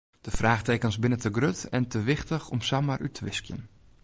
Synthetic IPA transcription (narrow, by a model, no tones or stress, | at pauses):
d̥əfraːxtekənsbɪnətəɡrøtɛntəʋɪxtəxɔmsamarʔytʰəʋɪskjə̰n